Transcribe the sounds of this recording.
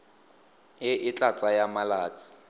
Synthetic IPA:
jɪʔɪt͡ɬʼat͡sʼajamalaːt͡sʼi̥

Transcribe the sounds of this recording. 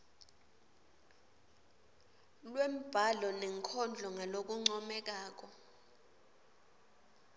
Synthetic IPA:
lwem̩b̥ʱalɔnɛŋkʰɔnd͡ɮʱɔŋʱalok̬uŋ͡ǀɔmɛk̬aːk̬ɔ

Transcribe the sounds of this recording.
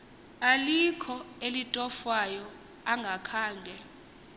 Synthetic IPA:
alikʰɔelitʼɔfwajɔ | aŋɡʱakʰaːŋɡʱɛ

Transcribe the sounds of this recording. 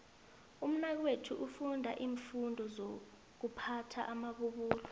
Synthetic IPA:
um̩nak̬wetʰuʔufundʱaʔiːɱfundʱɔzo | k̬upʰatʰa̰ʔamaɓuɓuːlḁ

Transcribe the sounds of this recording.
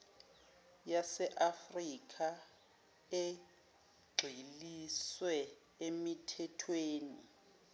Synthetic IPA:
jasɛʔafrikʼʰa | e | ɡ͡ǀʱiliswɛ | emitʰɛtʰweːni

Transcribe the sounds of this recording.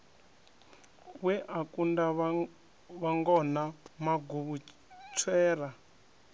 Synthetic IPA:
wɛʔakunda | βaŋɡɔnamaɡuβu | t͡sʰwɛːra

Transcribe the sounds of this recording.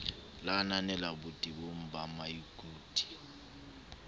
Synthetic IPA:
lananɛlabutʼiɓom̩bamajiɡʼuːd̥ʼi̥

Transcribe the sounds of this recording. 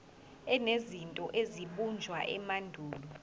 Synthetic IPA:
ɛnezintʼɔʔeziɓund͡ʒʱwaʔɛmandʱuːlu

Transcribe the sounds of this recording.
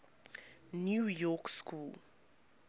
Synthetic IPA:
njuːjɔkskul

